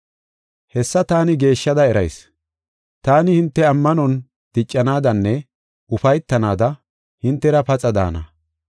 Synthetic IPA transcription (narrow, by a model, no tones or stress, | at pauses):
hɛsːɐt̪aːnɪɡe̞ːʃːɐd̪ɐɛɾɐjs | t̪aːnɪhɪnt̪ːɛɐmːɐnɔn | d̪̥ɪt͡ʃʼːɐnaːd̪ɐnːɛ | ʊfɐjt̪ːɐnaːd̪ɐ | hɪnt̪ːɛɾɐpɐt͡sʼɐd̪a̰ːnɐ̰